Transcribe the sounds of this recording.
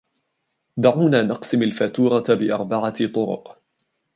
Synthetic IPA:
d̪aʕuːnaːnɑqsɪmalfat̪uːɾˤɑbɪʔɑɾˤbaʕat̪ˤʊɾʊ̰q

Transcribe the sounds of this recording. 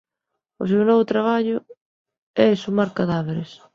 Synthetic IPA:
ʊ̰s̬ewnɔβʊt̪ɾaβ̞aʎʊ | ɛsumaɾkaðaβeɾɪs

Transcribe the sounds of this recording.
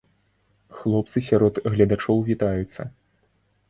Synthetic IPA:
xlˠɔp̚t̪sɨsʲaɾɔd̪ɣlʲɐd̪at͡ʂɔwvʲit̪ajut̪sːɐ̰

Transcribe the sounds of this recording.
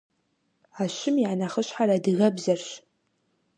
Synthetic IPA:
aʃɪmiʕanɐχəɕħaradɨɣɐbzɐrɕ

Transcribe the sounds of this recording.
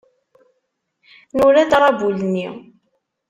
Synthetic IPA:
nʊɾæd̪ɾˤɑbulnːi

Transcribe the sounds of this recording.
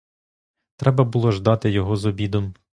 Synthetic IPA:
t̪ɾɛbɐbulˠɔʒd̪ɑt̪ɪjɔɦɔzɔbʲid̪ɔm

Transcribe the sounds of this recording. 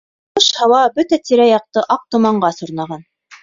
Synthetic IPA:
ɤʃhɑwɑbɵt̪æt̪iɾæjɑq̚t̪ɤʔɑq̚t̪ŏmɑɴɢɑsŏɾnɑʁɑn

